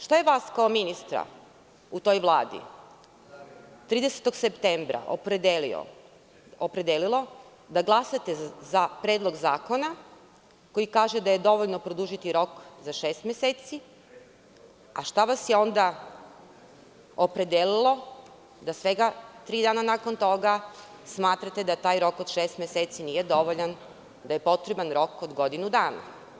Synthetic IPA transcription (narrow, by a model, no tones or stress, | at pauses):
ʃt̪ojeʋaːskaominist̪ɾa̰ | ut̪o̞jʋlˠaːd̪ḭ | t̪ɾiːd̪ese̥t̪o̞ɡsept̪embɾa̰ʔpɾd̪elḭ | opɾed̪elilˠo̞ | d̪aɡlˠasat̪ezapɾeːd̪lˠo̞ɡzaːko̞na | ko̞jikaːʒed̪aje̞d̪o̞ʋoʎnopɾod̪uʒit̪iɾo̞kzaʃeːst̪mjeseːt̪si | aʃt̪aʋasjeo̞nd̪a | opɾe̞d̪elilˠo̞ | d̪asʋe̞ɡat̪ɾiːd̪aːnanaːko̞nt̪o̞ɡa | smaːt̪ɾat̪ed̪at̪aːjɾo̞ko̞d̪̥ʃeːst̪mʲjeseːt̪sinije̞d̪o̞ʋoʎan | d̪aje̞po̞t̪ɾebanɾo̞kod̪ɡo̞d̪inud̪aːna̰